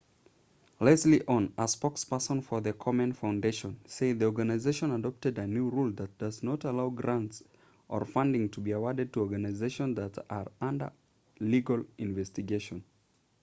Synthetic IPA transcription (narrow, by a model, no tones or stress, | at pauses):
lɛsliʔə̃nəspɔkspʰɜ˞sə̃nfə˞ðɨkʰɔmɨ̃nfãʊ̃ndeɪʃə̃nseɪðiɔɹɡɨnaɪzeɪʃə̃nədɔp̚tɨdɨnjuɹulˠðət̚d̥ʌznəɾəlaʊɡɹãnts | ʔə̰˞fʌ̃ndɪ̃ŋtʰəbiəwadɨd̚tʰəɔɹɡɨnaɪzeɪʃə̃nðətʔəɹʌ̃ndə̰˞ | liɡəlˠɪ̃nvɛstɨɡeɪʃə̃n